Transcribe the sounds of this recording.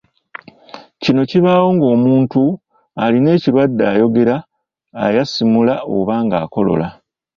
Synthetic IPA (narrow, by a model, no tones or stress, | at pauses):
cino̞ciβaːwo̞ŋɡo̞ːmuːntu | aline̞ːciɾwadːaːjo̞ɡe̞ɾa̰ː | jasimulao̞̰βaːŋɡa̰ːko̞lo̞̰la